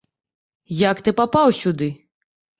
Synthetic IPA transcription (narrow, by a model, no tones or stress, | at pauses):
jakt̪ɨpapawsʲud̪ɨ